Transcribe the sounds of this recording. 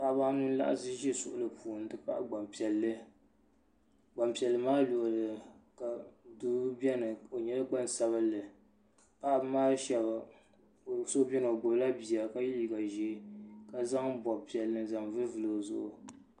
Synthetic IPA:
pa˦ʔba˦nu˦n˦la̰˦ʔa̰˦sɨ˦ʒɛ˦sʊ̰˨ʔʊ˦lɨ˨pʰuː˨n˨dɨ˦pa̰˦ʔɡ͡ba˨mpi˨ɛ˨lːɨ˦ | ɡ͡ba˨mpi˨ɛ˨lːɨ˨˦maː˦lo˨ʔlɨ˨ka˨du˦bɛ˦nɨ˨o˨ɲɛ˦la˦k͡pa˦n˨sa˦βɨ˦lːɨ˨ | pa˦ʔmaː˦ʃɛ˨ba˨ | so˦bɛ˦n˨o˨ɡ͡bʊ˨bla˦bi˨a˨ka˦ji˦li˨ɡa˨ʒi˨˦˨ka˦za˦ŋbɔ˨bpi˨ɛ˨lːɨ˦n˦za˨ŋvɨ˦vɨ˨lo˨zʊ˨ʔʊ̰˨

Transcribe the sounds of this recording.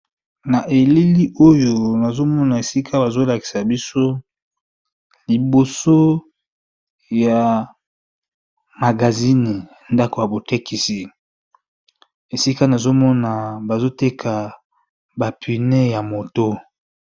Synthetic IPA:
na˨ʔe˨li˦li˦ʔo˦jo˨na˨zo˦mɔ˦na˨e˨si˦kʰa˦ba˨zo˦la˨ki˨sa˨bi˦so˦ | li˨bo˨so˦ | ja˨ | ma˨ɡa˨zi˦ni˨ | nda˦ko˨ja˨bo˨te˦ki˨si˨ | e˨si˦ka˦na˨zo˦mɔ˦na˨ba˨zo˦te˦kʰa˨ | ba˨pʰi˨ne˦ja˨mo˨to˦

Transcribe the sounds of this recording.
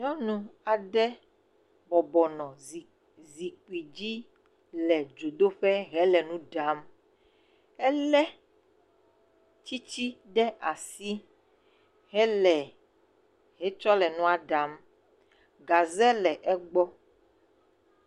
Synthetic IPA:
ɲɔ̃˦nũ˦a˨ɖɛ˦ | bɔ˨bɔ˨nɔ̃˨zi˨ | zi˨k͡pi˨d͡ʑi˦ | lɛ˨d͡ʒo˨d̪o˦ɸɛ˦ɦɛ˦lɛ˨nũ˦ɖa˨˦m | ɛ˦lɛ˦ | t͡ɕi˦t͡ɕi˦ɖɛ˦ʔa˨si˦ | ɦɛ˦lɛ˨ | ɦɛ˦t͡ʃɔ˦lɛ˨nũ˦a˨ɖa˨˦m | ɡa˨zɛ˦lɛ˨ʔɛ˦ɡ͡bɔ˦

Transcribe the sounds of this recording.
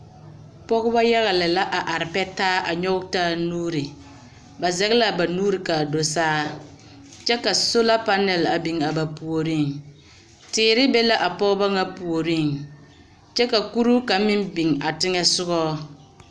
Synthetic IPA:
pɔ˦ɣʊ˦ba˦ja˦ɣa˨lɪ˨la˦ʔa˨ʔa˨ɾɪ˨pɛ˦taː˦ʔa˨ɲɔ˦ʊ˦taː˦˨nuː˦ɾɪ˨ | ba˨zɛ˦ɣɪ˦la˦ba˨nuː˦ɾɪ˨ka˨do˨saː˦ | t͡ʃɛ˦ka˨so˦la˦pa˦nɛ˨la˨bi˨ŋa˨ba˨pu˨o˨ɾi˦˨ŋ | tɪː˨ɾɪ˦bɛ˦la˦ʔa˨pɔ˦ɣʊ˦ba˦ŋa˦pu˨o˨ɾi˦˨ŋ | t͡ʃɛ˦ka˨ku˦ɾu˦ka˨˦mɪ˦mbi˨ŋa˨tɪ˦ŋɛ˦sʊ˦ɡɔː˦

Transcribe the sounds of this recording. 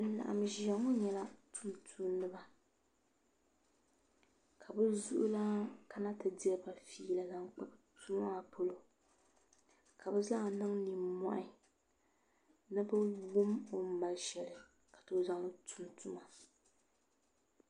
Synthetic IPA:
n˦˨la̰˨ʔa̰˨mʒɛ˨ŋo˦ɲɛ˨la˦tʰu˨mtʰu˦nːɨ˦ba˨ | kʰa˨bɨ˦zʊ̰˦ʔʊ˦la˦ka˦na˦tɨ˨dɪ˦ɛ˦ba˨fiː˦la˨za˦ŋk͡pa˦btʰu˦m˦a˨pʰo˦lo˦ | ka˨bɨ˦za˦ŋ˨nɨ˦ŋni˨mɔ̰˨ʔɪ˦ | nɨ˦bɨ˦wʊ˦mo˨˦m̩˦ma˦lʃɛ˨lɨ˨ | kḁ˨to˦za˦ŋ˦tʰu˦mtʰu˦ma˨

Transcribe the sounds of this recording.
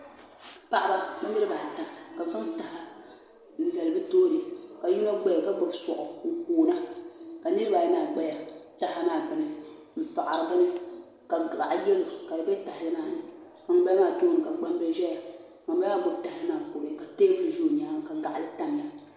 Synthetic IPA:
pa˨ʔa˨ba˨bɛ˦nɨ˦ɾɨ˦ba˨ta˨mka˨fa˦mta˨ha˦ | n̩˨za˨lɨ˨bɨ˦toː˦ɾɨ˨ka˨ji˦no˦ɡ͡bɛ˦ja˨ka˦bʊ˨bsɔ˨ʔʊ˨u˨kuː˨na˦ka˨nɨ˦ɾɨ˦ba˨jnaː˨ɡ͡bɛ˦ja˨ta˨ha˦naː˨ɡ͡bɨ˨nɨ˨ | pa˨ʔa˨ɾa˨bɨ˦nɨ˦ | ka˨a̰˨ʔjɛ˦lo˨ka˨dɨ˨bɛ˦ta˨hɪ˨lɨ˦maː˦˨nɨ˨ | ka˨ŋ˨˦ba˦maː˦˨toː˦nɨ˨ka˨ɡ͡ba˦m˦bɛ˦ʒɛ˦ja˨ | ŋa˨m˦ba˦aː˦˨bʊ˦bta˨hɨ˦naː˦˨ko˨ɾɨ˦˨ka˨teː˦bɨ˦˨ʒu˦˨ɲaː˦ka˨ɡa˨ʔa˨lɨ˦ta˨m˨ja˦

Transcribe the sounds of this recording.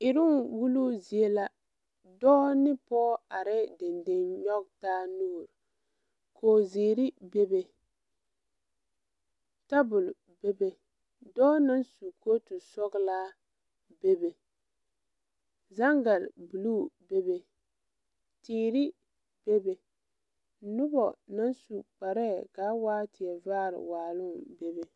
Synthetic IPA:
ɪ˨ɾʊ˦nwu˦lu˦zi˨e˦la˦ | dɔː˦nɪ˦pɔː˦a˨ɾɪ˦de˨nde˦nɲɔ˦k̚taː˦nuː˦˨ɾ | kʰoː˨ziː˨ɾɪ˦be˦be˨ | ta˦bʊ˨l | be˦be˨ | dɔː˦na˦nsu˨kʰo˦tu˨sɔ˦ɡlaː˦ | be˦be˨ | za˦ŋɡa˨lbu˨lu˦˨be˦be˨ | tiː˨ɾi˦ | b̥e˦be˨ | nʊ˦bɔ˨na˦nsu˨k͡pa˨ɾɛ˦kaː˨˦waː˦tɪ˨ɛ˨vaː˦ɾɪ̰˨waː˨lʊ˦mbe˦be˨

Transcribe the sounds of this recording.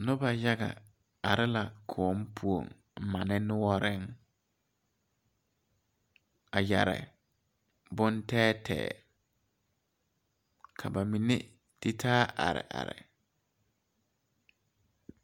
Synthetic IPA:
nʊ˦ba˨ja˦ɡa̰˨ | a˨ɾɪ˦la˨kʰɔː˨˦m˦pʰu˨o̰˨ŋ˨ | ma˨nɪ˦nʊ˦wɔ˦ɾɪ˦ŋ | a˨ja˨ɾɪ̰˨ | bʊ˦ntɛː˦tʰɛ̰ː˨ | kʰa˨ba˨mi˨ne˦ | d̥ɪ˦tʰaː˦ʔa̰˨ɾɪ̰˨ʔa̰˨ɾɪ̰˨

